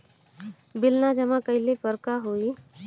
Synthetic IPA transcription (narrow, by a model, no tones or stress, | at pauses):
bɪlnad͡ʒəmãkəɪlepəɾkaɦoi